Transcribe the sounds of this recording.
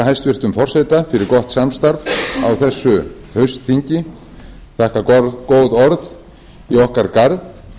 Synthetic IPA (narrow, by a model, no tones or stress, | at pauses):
aɦajst̪vɪr̥t̪ʏmfɔr̥sejt̪afɪɾɪɾkɔht̪samst̪aɾva̰wθɛsːʏ | hœɥst̪θiɲcɪ | θahkakoːwðɔɾð | iɔhkaɾkaɾð